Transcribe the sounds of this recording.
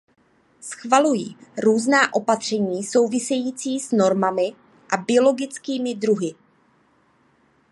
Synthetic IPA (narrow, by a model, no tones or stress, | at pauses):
sxvalujiːɾuːznaːʔo̞pat̪r̝̥ɛɲiːso̞wvɪsɛjiːt͡siːsno̞ɾmamɪ | ʔabɪo̞lo̞ɡɪt͡skiːmɪd̪ɾuɦɪ